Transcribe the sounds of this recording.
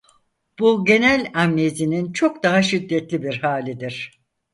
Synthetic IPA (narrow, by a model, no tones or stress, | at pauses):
b̥uɟe̞nælʲamniezinint͡ʃʰo̞k̚d̪aɦaʃid̪ːɛt̪lʲibiɾhaːlʲid̪iɾ̥